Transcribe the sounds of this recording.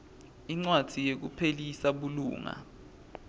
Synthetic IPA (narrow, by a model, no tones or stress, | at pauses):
iŋ͡ǀwḁd̥ʱijek̬upʰelisaɓulṵːŋa̰